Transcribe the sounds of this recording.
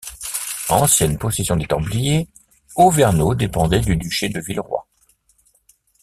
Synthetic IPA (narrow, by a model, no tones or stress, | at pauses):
ɑ̃sjɛnpɔsesjɔ̃d̪et̪ɑ̃blije | ovɛʁnod̪epɑ̃d̪ɛd̪yd̪yʃed̪əvilʁwa̰